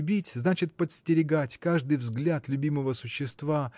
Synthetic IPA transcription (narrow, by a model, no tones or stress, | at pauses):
bʲitʲznat͡ɕɪt̪̚pət̪sʲtʲɪɾʲɪɡatʲkaʐd̪ɨjvzɡlʲat̪lʲʉbʲiməvəsʊɕːɪst̪va